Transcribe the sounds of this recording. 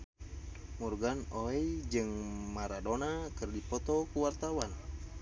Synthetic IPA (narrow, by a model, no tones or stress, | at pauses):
murɡanoɛid͡ʒɨŋmaɾadonakɨrdipɔt̪ɔkuwart̪awan